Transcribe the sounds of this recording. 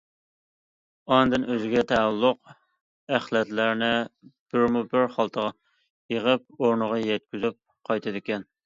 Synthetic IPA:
ɑnd̪ɨnøzɪɡʲɛt̪ʰɛælːʊq | æχlɛt̪læɾnɪb̥ɪɾmubɪɾχɑlˠt̪ʰəʁɑ | jeʁəp̚oɾnəʁɑjɛt̪̚kʲyzyp̚ | qʰɑjt̪ʰɨd̪ɪkʲɛn

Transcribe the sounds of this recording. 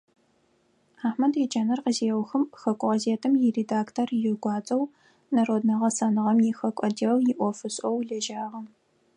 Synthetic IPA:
aːħmɐdit͡ʃʼɐnɐrqəziwxɨmxɐkʷʼʊʁɐzeːtʰɨmjɪredaːktʰorjɪɡʷɑːt͡sʼɐw | nɐroːdnɐʁɐsɐnɨʁɐmjɪxɐkʷʼɐdeːwjɪʔʷɔfɨɕʼɔwɮɐʒaːʁɐm

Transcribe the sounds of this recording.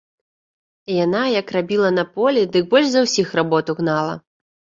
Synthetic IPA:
ijanajɐkrabʲilˠɐnɐpɔlʲɛd̪ɨk̚bɔlʲʂzɐwsʲixrabɔt̪uɣnalˠɐ̰

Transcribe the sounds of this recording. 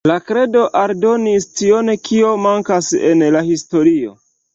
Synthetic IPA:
lakɾe̞do̞ʔaɾdo̞nistionkʰio̞maŋkasḛnlahisto̞ɾio̞̰

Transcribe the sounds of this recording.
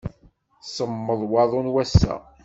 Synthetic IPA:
səmːəðˤwɑðˤonwæsːæ̰

